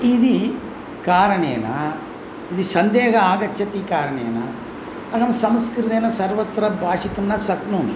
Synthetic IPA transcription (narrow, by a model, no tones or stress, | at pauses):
id̪i | kaːɾɐɳḛːnɐ̰ | id̪isɐnd̪eːɡɐaːɡɐt͡ʃːʃʰɐt̪ikaːɾɐɳḛːnɐ̰ | ɐɡɐmsɐmskɾit̪eːnɐsɐɾʋɐt̪ːɾɐbʱaːʂit̪ɐmnɐsɐknuːnɐ